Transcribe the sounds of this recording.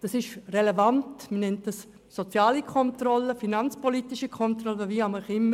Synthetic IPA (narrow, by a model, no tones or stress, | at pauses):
d̥ɑsɪʃrelevantmənɛnt̚d̥ɑsː | ot͡sjaːlikʰɔntrɔləfinant͡spʰɔliːtɪʃikʰɔntrɔləviaməχɪm